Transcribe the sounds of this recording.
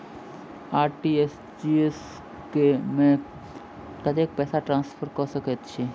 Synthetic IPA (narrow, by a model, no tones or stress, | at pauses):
aːɾʈies | d͡ʒies | kemẽ | kəd̪eːk̚pɛːsaʈɾãːnspʰəɾkəsəkət̪t͡ʃʰi